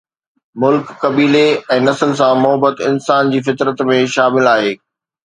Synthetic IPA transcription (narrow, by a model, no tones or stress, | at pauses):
mʊlkːɐbiːleɛ̃ːnɐsəls̬ãmʊɦəbət̪ɪnsaːnd͡ʑiːfɪt̪ɾət̪mẽʃaːmɪlaːɦeː